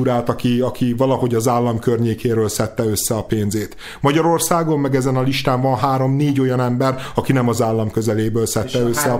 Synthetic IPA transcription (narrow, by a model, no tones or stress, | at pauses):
uɾaːlt̪ɒkiɒkʰivɒlɒho̞ɟɒzaːlːɒmkørɲeːkʰeːɾøːlsɛt̪ːɛø̞sːɛɒpeːnzeːt̪ | mɒɟɒɾo̞rsaːɡo̞mːɛɡɛzɛnɒliʃt̪aːɱvɒnɦaːɾo̞mneːɟo̞jɒnɛmbɛrɒkinɛmɒzaːlːɒmkø̞zɛleːbøːlsɛt̪ːɛøsːɛɒ